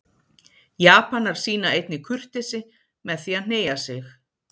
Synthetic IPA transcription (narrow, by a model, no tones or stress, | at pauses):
jaːpanaɾ̥siːnaejt̪nɪkʰʏr̥t̪ɪsɪ | mɛðθiaðn̥eːjasjɛx